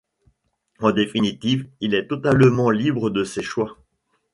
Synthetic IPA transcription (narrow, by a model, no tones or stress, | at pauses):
ɑ̃d̪efinit̪ivilɛt̪ɔt̪aləmɑ̃libʁəd̪əseʃwa